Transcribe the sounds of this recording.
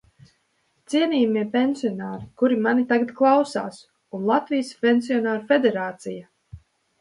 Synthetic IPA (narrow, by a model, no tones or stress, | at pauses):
t̪siɛniːjmiɛpʲenʲsiɔnaːɾikuɾimanit̪aɡat̪klˠawsa̰ːs | unlˠat̪vijspʲɛnʲsiɔnaːɾufed̪ɛɾaːt̪sija